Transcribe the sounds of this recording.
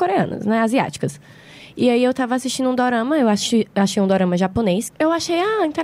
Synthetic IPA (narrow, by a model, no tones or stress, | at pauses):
koɾeɐ̃nɐ̰snɛazia̰t͡ʃi̥kɐs | ɪaiewt̪avɐasist͡ʃĩnd̪ʊũd̪oɾɐ̃mɐewaʃiaʃejũd̪oɾɐ̃mɐʒaponesewaʃejaĩt̪e